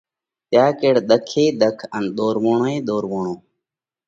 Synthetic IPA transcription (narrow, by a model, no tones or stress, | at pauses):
t̪jaːkeːɽɗ̪əkʰeːɗ̪əkʰənɗ̪oːɾʋoːɳoːeːɗ̪oːɾʋoːɳoː